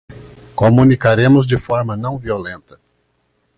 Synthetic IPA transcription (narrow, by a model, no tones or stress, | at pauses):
komũnikaɾẽmʊzd͡ʒɪfɔɾmɐnɐ̃w̃violẽnt̪ɐ